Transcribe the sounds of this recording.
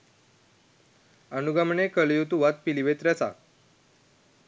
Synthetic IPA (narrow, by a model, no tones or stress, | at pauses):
ənuɡamɳekəljut̪uʋat̪̚piliʋet̪ɾjat͡sa̰